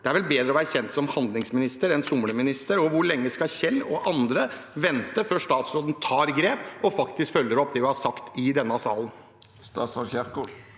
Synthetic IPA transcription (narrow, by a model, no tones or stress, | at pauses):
d̪̥ɛæɾʋɛlbeːd̪ɾəɔʋæːɾəçɛnt̪sɔmhɑnd̪lɪŋsmɪnɪst̪əɾɛnsʊmɽəmɪnɪst̪əɾɔʋʊɭɛŋːəskɑçɛlːɔ̰ʔɑnd̪ɾəʋɛnt̪əføːʂt̪ɑːt̪sɾoːd̪n̩t̪ʰɑːɾɡɾeːpɔfɑkt̪ɪskfœlːəɾɔpːd̪ɛʋɪhɑsɑkt̪ɪd̪ɛnːəsɑːlən | st̪ɑsɔçæʁku